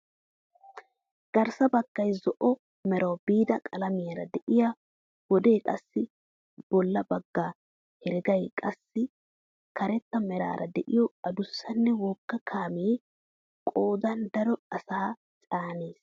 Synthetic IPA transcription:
ɡ̥ɐɾsɐbɐɡ̥ːɐjzɔʔɔ | mɛɾɐwbiːd̪ɐkʼɐlɐmɪjɐɾɐd̪ɛʔɪja | wɔd̪eːkʼɐsːɪ | b̥ɔlːɐbɐɡːaː | hɛɾɪɡɐjkʼɐsːɪ | kɐɾɛt̪ːɐmɛɾa̰ːɾʔɐ̰d̪ɛʔɪjɔɐd̪ʊsːɐnːɛwoːkːɐkʰaːmeː | kʼoːd̪ɐnd̪ɐɾɔɐsaː | t͡sʼaːneːs

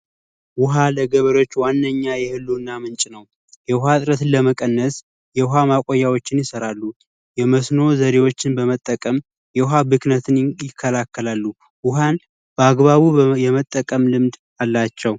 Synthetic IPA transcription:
wʊɦaləɡəβəɾo̞t͡ʃːwanːəɲːajɛhɨlːunːamɨnt͡ʃʼnəw | jɛʊɦat̪ʼɾət̪ɨnləməkʼənːəs | jɛʊɦamakʼojːawo̞t͡ʃːɪnjɪsəɾalːu | jɛməsno̞zəɾewo̞t͡ʃːɪnbəmət̪ʼːəkʼəm | jɛʊɦabɨknət̪ʰɨnjɪkʰːəlakːəlalːu | wʊɦan | b̥əaɡβaβujɛmət̪ʼːəkʼəmlɨmd̪ | alːat͡ʃːɛw

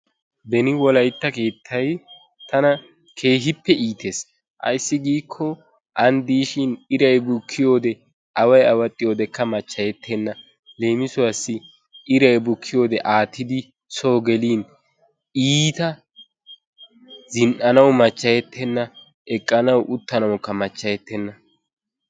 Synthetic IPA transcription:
b̪ɛnɪwɔlɐjt̪ːɐke̞ːt̪ʰːɐj | t̪ɐnɐ | kʰe̞ːɦɪpːɛʔiːt̪eːs | ʔɐ̰jsːɪɡiːkʰːɔ | ʔɐnd̪iːʃɪnɪɾɐjbʊkʰːɪjo̞ːd̪ɛ | ʔɐwɐjɐwɐt̪ʼːɪjo̞ːd̪ɛkːɐmɐt͡ʃːɐjɛt̪ʰːɛnːɐ | le̞ːmɪsʊwɐsːɪ | ɪɾɐjbʊkʰːɪjo̞ːd̪ɛʔaːt̪ːɪd̪ɪ | so̞ːɡɛliːn | iːt̪ɐ | zɪnʔɐnɐwmɐt͡ʃːɐjɛt̪ʰːɛnːɐ | ʔɛkʼːɐnɐwʔʊt̪ːɐnɐwʊkːɐmɐt͡ʃːɐjɛt̪ːɛnːɐ

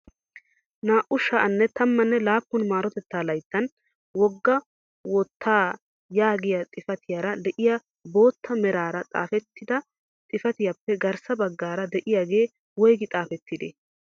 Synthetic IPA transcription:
naːʔʊʃɐʔɐnːɛt̪ʰɐmːɐnːɛlaːpːʊnmaːɾɔt̪ɛt̪ːaːlɐjt̪ːɐn | wɔɡːɐ | wɔt̪ːaː | jaːɡɪjɐt̪ʼɪfɐt̪ʰɪjaɾɐd̪ɛʔɪja | bo̞ːt̪ːɐmɛɾaːɾɐt̪ʼa̰ːfɛt̪ːɪd̪ɐ | t̪ʼɪfɐt̪ɪjɐpːɛɡɐɾsɐbɐɡːaːɾɐd̪ɛʔɪjaːɡe̞ː | wɔjɡɪt̪ʼaːfɛt̪ːɪd̪ḛ

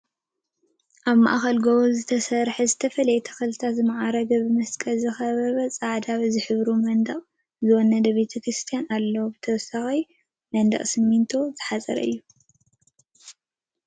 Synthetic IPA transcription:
ʔaβma̰ʔaxɐlɡoβozɨt̪ʰɐsɐɾħɐzɨt̪ʰɐfɐlɐjɛt̪ʰɐ̥xɐlɨt̪ʰazɨmaʕaɾɐɡɐbɨmɐskʼɐlzɨxɐβɐβɐt͡sʼaʕd̪aβzɨħɨβɾumɐnd̪ɐχʼ | zɨwɔnɐd̪ɐβet̪ʰɐkɾɨst̪ʰijanalːɐwubɨt̪ʰɐwɔsaxɐj | mɐnd̪ɐ̰χʼsɨmːint̪ʰo̞zɨħazʼɐ̰ɾɐ̰ʔɨ̰jːu

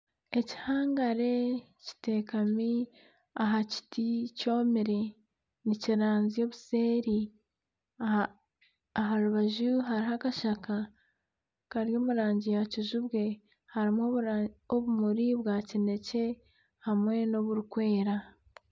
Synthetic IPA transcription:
e̞ci̥haːŋɡaɾe̞ | ci̥te̞ːkami | aɦaci̥tico̞ːmiɾe | niciɾaːnzijo̞βuse̞ːɾi | aɦaɾuβaʒuɦaɾihakaʃaka | kaɾjo̞ːmuɾaːɲɟijacizuβɡe̞ | haɾimwooβumuɾiβɡaːcine̞ce̞ | hamwe̞no̞βuɾukwe̞ːɾa

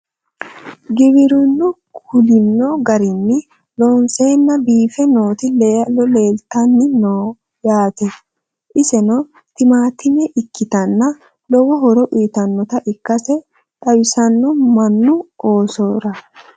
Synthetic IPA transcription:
ɡɪβɪɾʊnːʊkʊlɪnːɔɡɐɾɪnːɪ | lɔːnseːnːɐbiːfɛno̞ːt̪ɪlelɔle̞ːlt̪ɐnːɪnoː | jaːt̪ɛ | ʔɪsɛnɔ | t̪ɪmaːt̪ɪmɛʔɪkːɪt̪ɐnːɐ | lɔwɔɦɔɾɔʔiːt̪ɐnːɔt̪ɐʔɪkːɐsɛ | t̪ʼɐwɪsɐnːɔmɐnːʊoːsoːɾɐ

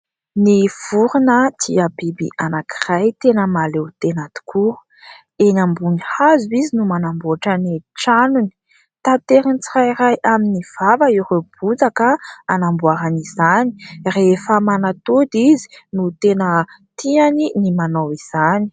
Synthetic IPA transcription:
niv̥uɾunət̪ʰiabibḭʔanaki̥rajt̪enəmalewt̪enat̪u̥kʰu | enambunihazuizinumanamboaʈ͡ʂaniʈ͡ʂanuni̥ | t̪at̪eɾinit͡sirajɾajʔaminiv̥avəiɾeb̥ud͡zakəanambuaɾanizani̥refəmanat̪od̪izi̥nut̪enə | t̪ianinimanawiz̥ani̥

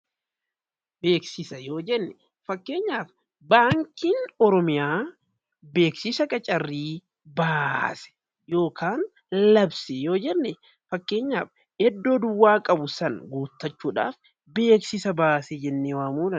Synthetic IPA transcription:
be̞ːksɪsɐjo̞ːd͡ʒɛnːɛ | fɐkːe̞ːɲːaːf | baːŋkiːnɔɾɔmɪjaː | be̞ːksɪsɐkʼɐt͡ʃʼɐrːiː | baːsɛ̥ | jo̞ːkʰaːn | lɐbsɛjo̞ːd͡ʒɛnːɛ | fɐkːe̞ːɲːaːf | hɛd̪ːo̞ːd̪ʊwːaːkʼɐbʊsɐnɡuːt̪ːɐt͡ʃːuːᶑa̰ːf | be̞ːksɪsɐbaːsed͡ʒɛnːeːwaːmuːlɐn

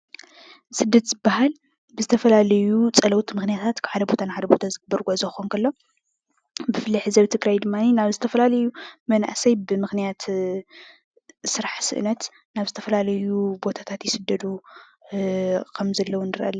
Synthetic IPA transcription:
sɨd̪ːɐt̪zɨbːaɦal | bɨzɨt̪ʰɐfɐlalɐjut͡sʼɐlɐwt̪mɨxnijat̪ʰat̪kʰħad̪ɐbo̞t̪ʰanħad̪ɐbo̞t̪ʰazɨɡɨbːɐɾɡʷozɐxonkʰɐlːo̞ | bɨfɨlːiħɨzɐβt̪ʰɨɡɾajd̪ɨmːaninaβzɨt̪ʰɐfɐlalɐjumɐna̰ʔsɐjbɨmɨxnijat̪ | sɨɾaħsɨ̰ʔnɐt̪ | naβzɨt̪ʰɐ̥fɐlalɐjubo̞t̪ʰat̪ʰat̪jɪsɨd̪ːɐd̪u | kʰɐmzɐlːɐwunɨɾʔɐ̰lː

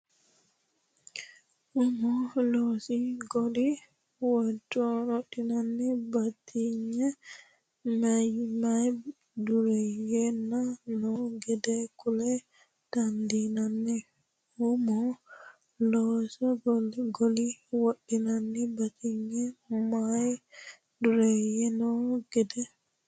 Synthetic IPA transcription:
humɔlɔsiɡoli | watːɔnɔɗinanːibatʰiɲɛ | majmaj | duɾɛjɛnːanɔɡɛdɛkulɛ | tandinanːi | humɔ | lɔsaɡɡoliwaɗinanːibat̪ʰiɲːɛmaj | duɾɛjɛnɔɡ̥ɛdɛ

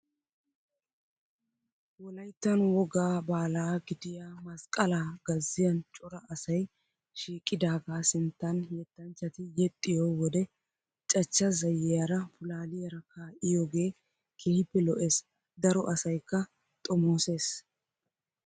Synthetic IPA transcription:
wɔlɐjt̪ːɐnwɔɡaːbaːlaːɡɪd̪ɪjaːmɐskʼɐlaːɡɐzːɪjɐnt͡ʃʼɔɾɐɐsɐj | ʃiːkʼːɪd̪aːɡaːsɪnt̪ːɐnjɛt̪ːɐnt͡ʃːɐt̪ɪjɛt̪ʼːɪjoːwɔd̪ɛ | t͡ʃʼɐt͡ʃːɐzɐjɛjɐɾɐpʊlaːlɪjɐɾɐkʰaːʔɪjoːɡe̞ː | kʰeːhɪpːɛlɔʔe̞s | d̪ɐɾɔʔɐsɐjkːɐ | t̪ʼɔmoːse̞ːs

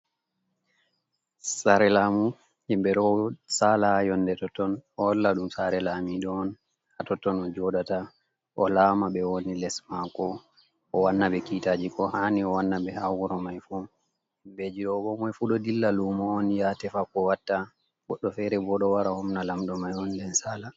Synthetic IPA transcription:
saɾɛlamu | himbɛɗɔsalajɔndɛtɔtːɔnɔlːaɗumsaɾɛlamiɗɔːn | hatɔtːɔnɔd͡ʒɔdata | ʔɔlaːmaɓɛwonilɛsmakɔ | ʔɔwanːaɓɛkitad͡ʒikɔhaniɔwanːabɛhawuɾɔmajfu | bed͡ʒiɗɔbɔmɔjfuɗɔdilːalumɔɔnjatɛfakɔwatːa | ɡɔɗːɔfɛɾɛbɔɗɔwaɾahɔmnalamɗɔmajɔndɛnsaːla

